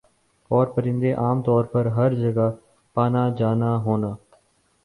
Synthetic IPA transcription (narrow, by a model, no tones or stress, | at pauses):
ɔːɾpəɾɪ̃nd̪eːʔaːmt̪ɔːɾpəɾɦəɾd͡ʒəɡa | paːnad͡ʒaːnaːɦoːnaː